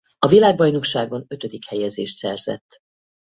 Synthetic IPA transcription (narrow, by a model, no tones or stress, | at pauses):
ɒvilaːɡ̚bɒjno̞kʃaːɡo̞nø̞t̪ø̞d̪ikhɛjɛzeːʃt̪sɛrz̥ɛ̰t̪ː